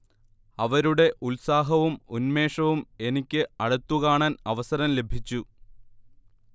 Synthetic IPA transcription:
ɐʋɐɾuɽe̞ʔulsaːɦɐʋumunme̞ːʂɐʋume̞nikʲːɨɐɽɐt̪ːukaːɳaːnɐʋɐsɐɾɐmle̞bʱit͡ɕːu

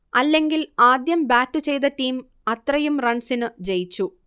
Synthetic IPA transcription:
ɐlːe̞ŋɡilaːd̪jɐmbaːtːut͡ɕe̞jt̪ɐʈːiːm | ɐt̪rɐjumrɐɳɖsinɨd͡ʑejit͡ɕːu

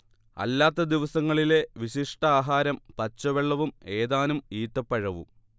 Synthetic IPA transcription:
ɐ̰lːaːt̪ːɐd̪iʋɐsɐŋːɐɭile̞ʋiɕiʂʈɐaːɦaːɾɐmpɐt͡ɕːɐʋeɭːɐʋume̞ːðaːnumiːt̪ːɐpːɐɻɐʋṵ

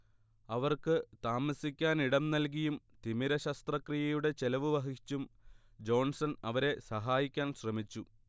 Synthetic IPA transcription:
ɐʋɐrkɨt̪aːmɐsikʲːaːniɽɐmnɐlk̬ijum | t̪imiɾɐɕɐst̪rɐkrijɐjuɽe̞t͡ɕelɐʋɨʋɐɦit͡ɕːum | d͡ʑo̞ːnsɐnɐʋɐɾe̞sɐɦaːjikʲːaːnɕrɐmit͡ɕːu

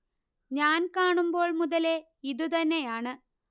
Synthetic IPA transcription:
ɲaːnkaːɳumbo̞ːɭmuðɐle̞ | iðut̪ɐnːejaːɳɨ

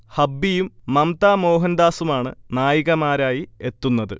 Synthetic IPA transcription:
hɐbːijumːɐmt̪aːmo̞ːɦɐnd̪aːsumaːɳɨ̰naːjiɣɐmaːɾaːjie̞t̪ːunːɐðɨ̰

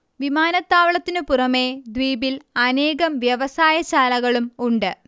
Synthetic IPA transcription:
ʋimaːnɐt̪ːaːʋɐɭɐt̪ːinɨpurɐme̞ːd̪ʋiːbilɐne̞ːɣɐmʋjɐʋɐsaːjɐt͡ɕaːlɐɣɐɭumuɳɖɨ

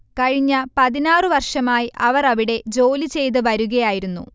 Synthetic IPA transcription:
kɐɻiɲːɐpɐðinaːrɨʋɐrʂɐmaːjiʔɐʋɐrɐʋiɽe̞d͡ʑo̞ːlit͡ɕe̞jt̪̬ɨʋɐɾuɣɐjaːjiɾunːṵ

